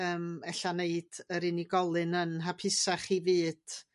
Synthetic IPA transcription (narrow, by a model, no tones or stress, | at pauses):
əːmɛɬaneɨd̥əɾɪniɡɔlˠɨnənɦapʰɪsaχivɨːd̥